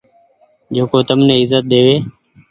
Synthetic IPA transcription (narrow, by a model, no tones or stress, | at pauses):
d͡ʒeːkoːt̪əmnẽːɪzət̪̚ɗ̪eːʋeː